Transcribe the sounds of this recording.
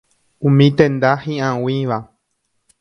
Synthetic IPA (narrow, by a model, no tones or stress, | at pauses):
ũmĩt̪ẽnd̪ahĩʔãw̃ĩʋa